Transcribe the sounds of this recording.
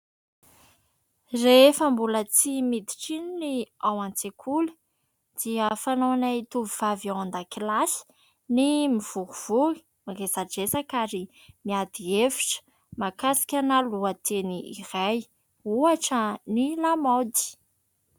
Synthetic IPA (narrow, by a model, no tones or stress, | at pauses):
refəmbulət͡simid̪i̥ʈ͡ʂininiawant͡sekʰuli̥ | d̪̥iəfanoanait̪uviv̥avand̪akilasi̥ | nimiv̥uɾuv̥ui̥ | maɡezaɖ͡ʐesakaɾi | miad̪̥ievi̥ʈ͡ʂə̥ | makasi̥kʲanaluət̪ʰeniḭraj | uaʈ͡ʂənilamawd̪i̥